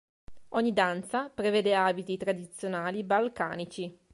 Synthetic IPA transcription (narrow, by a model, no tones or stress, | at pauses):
ɔɲːid̪ant̪sapɾeveːd̪eaːbit̪it̪ɾad̪it̪sːjonaːlibalka̰ːnit͡ʃi